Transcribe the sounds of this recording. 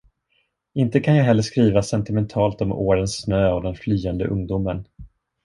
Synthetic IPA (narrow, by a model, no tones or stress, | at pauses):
ɪnt̪əkʰanjɑːɡɦɛlːəʂkɾiːvasɛnt̪ɪmɛnt̪ʰɑːlt̪ɔmo̰ːɾənsnøːavd̪ɛnflyːɛnd̪ə̰ʔɵ̰ŋd̪uːmən